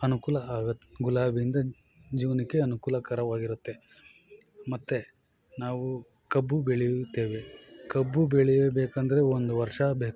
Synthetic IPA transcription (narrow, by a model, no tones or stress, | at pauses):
ɐnukuːlɐaːɡɐɡulaːbijind̪ɐ | d͡ʒiːʋɐnikːe̞ɐnukuːlɐkɐɾɐʋaːɡiɾut̪ːe̞ | mɐt̪ːe̞ | naːʋu | kɐbːubeɭijut̪ːe̞ːʋe̞kɐbːubeɭijebeːkɐnd̪ɐɾe̞ond̪uʋɐɾʂɐbeːk